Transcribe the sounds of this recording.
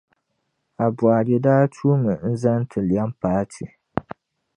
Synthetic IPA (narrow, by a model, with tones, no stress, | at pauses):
a˨bwa˨ɾɛ˨daː˦tʰuː˦mɨ˨n̩˦za˦n˦tʰɨ˨lja˦m˦paː˦tʰi˨